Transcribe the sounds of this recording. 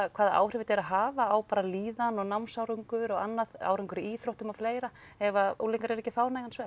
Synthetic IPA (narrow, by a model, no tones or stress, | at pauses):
kʰvaːðaʔa̰ːwrɪvɪt̪ɛɾaɦaːvaːwpaːɾaliːðanɔɣnamsawɾʏŋkʏɾɔɣanːaða̰ːwɾʏŋkʏɾɪiːθɾowht̪ʏmafleːjɾa | ɛvaulejŋkaɾɛɾɛcːɪfaːwnajɣansvɛː